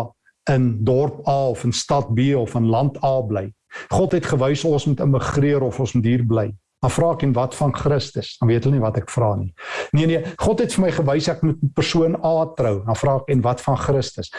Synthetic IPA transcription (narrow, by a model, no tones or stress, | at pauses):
əndɔrpɑːɔfənstɐt̚biɔfənlɐntʰɑːbləj | χɔtɦɛtχəvœjsɔsmutəməχriəɾɔfɔ̃nsmutɦiːrbləj | ɑfrɑːkɛnvɐtfɐnχrəstəsɐviətəlˠnivɐtɛkfrɑːniniəniəχɔtɦɛtfərməjχəvəjsæk̚mut̚pərsuənɑːtrəwɑfrɑːəkɛnvɐtfɐnχrəstəs